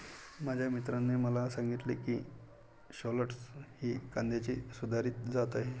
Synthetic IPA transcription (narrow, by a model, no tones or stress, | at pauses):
mad͡ʑʱjamit̪ɾanːeməlasaŋɡit̪lekiː | ɕɔləʈshiːkand̪jat͡ɕiːsud̪ʱaɾiːt̪d͡zat̪aɦe